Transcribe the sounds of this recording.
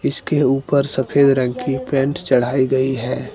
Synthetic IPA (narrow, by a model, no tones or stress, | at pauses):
ɪskeuːpəɾsəpʰeːd̪ɾə̃ŋɡkipɛ̃ɳʈt͡ʃəɽ̤aːiɡəiɦɛː